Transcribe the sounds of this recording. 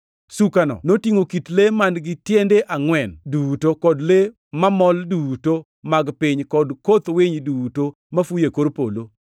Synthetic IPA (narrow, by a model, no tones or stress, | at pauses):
sukanɔ̰notiŋokitlemandɡɪtjendeʔaŋwɛndutokɔdle | mamɔlduto | maɡpɪɲkɔdkot̪weɲiduto | mafujekoɾpolo